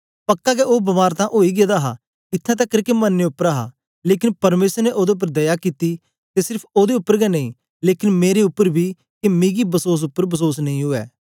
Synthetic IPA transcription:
pɐkːakeoːbɐmaːɾt̪ãʔoːiːɡed̪aːɦa̰ː | ɪt̪ʰːãːt̪ɛkːɐɾkemənːeʊpːəɾaːɦa̰ː | leːkɪ̃npɐɾmeːsəɾneʔoːd̪eʊp̬ːəɾd̪ɐjakiːt̪i | t̪esɪɾpʰoːd̪eʊpːəɾɡɛnə̃ĩ | leːkɪnmeːɾeʊpːəɾbʱiː | kemĩːɡibəsoːs̬ʊpːəɾbəsoːsnɐ̃ĩɦʊɛ̰ː

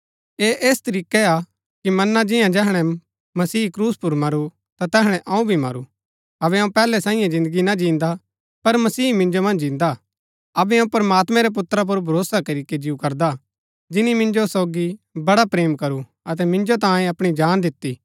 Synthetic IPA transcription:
eʔeːst̪ɐɾiːkɛa | kimɐnːad͡ʒɪjãd͡ʒɛːɦɽ̃ɛ | mɐsiːkɾuːspʊɾmɐɾu | t̪at̪ɛːɦɽ̃ɛʔɐ̃ũbʱimɐ̰ɾṵ | ɐβɛɐ̃ũpɛːlɛsãːĩjãzɪ̃nd̪əɡinad͡ʒĩːnd̪a | pɐɾmɐsiːmɪ̃nd͡ʒomɐ̃nd͡ʒd͡ʒĩːnd̪a | ɐbɛɐ̃ũpɐɾɐmaːt̪mɛ̃ɾɛp̬ʊt̪ːɾap̬ʊɾbʱɐɾoːsakɐɾiked͡ʒiukɐɾd̪a | d͡ʒɪnimɪ̃nd͡ʒosoːɡibɐɽapɾeːmkɐɾu | ɐt̪̬ɛmɪ̃nd͡ʒot̪ãːẽɐpɽ̃id͡ʒaːnd̪ɪt̪ːiː

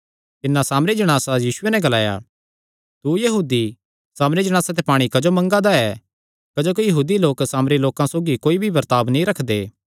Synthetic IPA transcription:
t̪ɪnːãsaːmɾid͡ʒɐɽ̃aːsajiːsʊenɛɡɐlaːja̰ | t̪ujɐɦuːd̪i | saːmɾid͡ʒɐɽ̃aːsat̪̬epaːɽ̃ikɐd͡ʒomɐ̃ŋɡad̪aɛ | kɐd͡ʒoːk̬ijɐɦuːd̪iloːksaːmɾiloːkãsoːɡikoːibʱibɐɾt̪aːbnĩɾɐkʰd̪eː

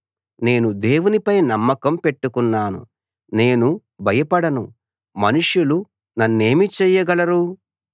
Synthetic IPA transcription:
ne̞ːnud̪e̞ːwunipɐjnɐmːɐkɐmpe̞ʈːukunːaːnṵ | ne̞ːnu | bʱɐjɐpɐɽɐnṵ | mɐnuʂjulu | nɐnːe̞ːmit͡ʃɛːjːɐɡɐlɐɾu

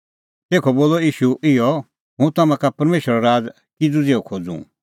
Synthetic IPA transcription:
t̪eːkʰɔboːlɔiːʃuɪjɔ | ɦũt̪ɐmãkapɐɾmeːʃəɾaɾaːd͡z | kɪd͡zud͡zeːɔkʰoːd͡zṵ̃

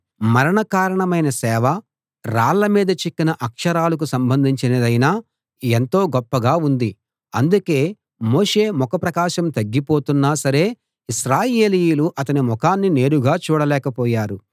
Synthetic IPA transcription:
mɐɾɐɳɐkaːɾɐɳɐmɐjnɐsɛːʋɐ | ɾaːɭːɐmiːd̪ɐt͡ʃikːinɐʔɐkʂɐɾaːlɐk̬usɐmbɐnd̪ʱiɲt͡ʃinɐd̪ɐjnaː | ent̪o̞ːɡɔpːɐɡaːund̪i | ɐnd̪uke̞ː | moːʂe̞ːmɔkɐpɾɐkaːʃɐmt̪ɐɡːipo̞ːt̪unːaːsɐɾe̞ː | isɾaːjeːlijuluʔɐt̪ɐnimɔkaːnːine̞ːɾuɡaːt͡ʃuːɽɐlɛːkɐpɔːjaːɾu

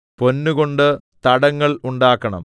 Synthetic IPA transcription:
po̞nːuɣo̞ɳɖɨ | t̪ɐɽɐŋːɐɭuɳɖaːkːɐɳɐ̰m

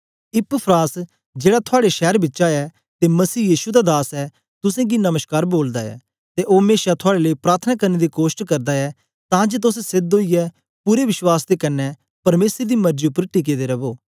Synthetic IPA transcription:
ɪpəpʰɾaːs | d͡ʒeːɽat̪ʰʊaːɽeʃɛːɾbɪtːʃaɛ | t̪emɐsiːjiːʃud̪ad̪aːsɛ | t̪ʊsẽɡinɐməʃkaːɾboːld̪aɛ̰ː | t̪eʔoːmeːʃat̪ʰʊaːɽeləipɾaːɾt̪ʰənaːkɐɾned̪ikoːʃʈkɐɾd̪aɛ | t̪ãːd͡ʒet̪̬ʊsɛsɪd̪oːijɛ | puːɾeʋɪʃwaːsd̪ekɐnːɛ | pɐɾmeːsəɾd̪iːmɐɾd͡ʒiʊpːəɾʈik̬ed̪eɾɐboː

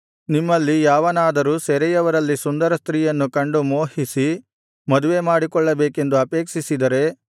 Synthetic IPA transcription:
nimːɐlːijaːʋɐnaːd̪ɐɾuːsɛɾɛjɐʋɐɾɐlːisund̪ɐɾɐst̪ɾiːjɐnːukɐɳɖumoːhisi | mɐd̪uʋe̞maːɽikɔɭːɐbeːke̞nd̪uɐpeːkʂisid̪ɐɾe̞

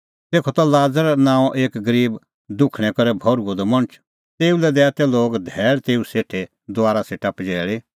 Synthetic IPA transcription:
t̪eːkʰɔt̪alaːd͡zəɾnãːɔ̃ʔeːkɡəɾiːb | d̪ʊkʰɽ̃ɛkɔɾɛbʱɔɾuɔd̪ɔmɐñət͡ʃ | t̪eːulɛd̪ɛːt̪ɛloːɡd̪ʱɛːlt̪eːuseːʈʰe | d̪oaːɾaseʈapd͡ʒɛːɭe

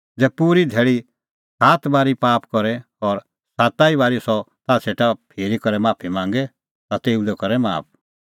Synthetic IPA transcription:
d͡zɛːpuːɾid̪ʱeːɭi | saːt̪baːɾipaːpkɔɾɛ | ɔːɾ | saːt̪aːiβaːɾisɔt̪asʰeːʈapʰeːɾikɔɾɛmaːpʰimãːŋɡɛ | t̪at̪eːud̪ɛkɔɾɛma̰ːp̚

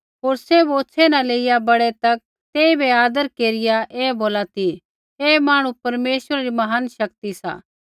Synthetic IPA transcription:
ɦoːɾsɛboːtsʰɛnaleːɪjabɐɽɛt̪ɐk̚ | t̪eːibeaːd̪əɾkeːɾɪjaʔeːboːlat̪i | eːmaːɽ̃ũpɐɾmeːʃəɾaɾimɐɦənʃɐkt̪isa̰ː

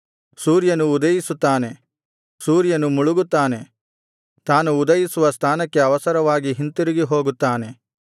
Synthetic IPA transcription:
suːɾjɐnuːd̪ɐjisut̪ːaːne̞ | suːɾjɐnumuɭuɡut̪ːaːne̞ | t̪aːnuːd̪ɐjisuʋɐst̪ʰaːnɐkːe̞ɐʋɐsɐɾɐʋaːɡiɦint̪iɾiɡiɦo̞ːɡut̪ːaːne̞

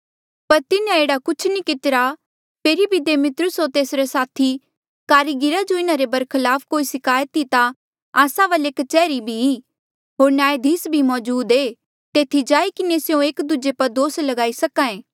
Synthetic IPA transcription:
pɐɾt̪ɪnãeːɽakʊt͡ʃʰnikɪt̪ɪɾa | pʰeːɾibʱid̪eːmɪt̪ɾʊsɦoːɾt̪eːsɾesaːt̪ʰi | kaːɾiɡɪɾad͡ʒoɪnãɾebɐɾkʰɪlaːfʰkoːisɪkaːjət̪it̪a | aːsãʋəleːkt͡ʃɛːɾibʱii | ɦoːɾnaːed̪ʱiːsbʱimɔːd͡ʒuːd̪eː | t̪eːt̪ʰid͡ʒaːikɪnesjõeːkd̪ʊd͡ʒepɐɾd̪oːslɐɡaːisɐkãẽː

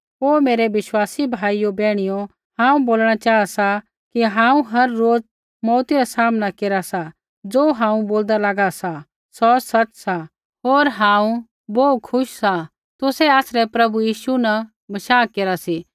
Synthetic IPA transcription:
ɦoːmeːɾɛʋɪʃwaːsibʱaːijobɛːɽ̃ɪjo | hãːũboːlɽ̃at͡ʃaːasa | kiɦãːũɦɐɾːoːd͡z | mɔːt̪iɾasaːmnakeːɾasa | d͡zoːɦãːũboːld̪alaːɡasa | sɔːsɐtsa | ɦoːɾɦãːũ | boːkʰʊʃsa | t̪ʊsɛaːsɾɛpɾɐbujiːʃuna | bɐʃaːkeːɾasi

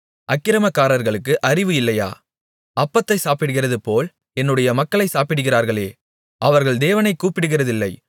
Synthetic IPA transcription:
ʔɐkːɪɾɐmɐkːaːɾɐɾɣɐɭɯkːɯʔɐrɪʋɯɪlːɐja̰ː | ɐpːɐt̪ːɐɪsaːpɪɽɯɣɪrɐðɯpoːl | ɛnːɯɽɐjɐmɐkːɐɭɐɪsaːpɪɽɯɣɪraːɾɣɐɭeː | ʔɐʋɐɾɣɐɭd̪eːʋɐnɐɪkːuːpɪɽɯɣɪrɐðɪlːɐɪ

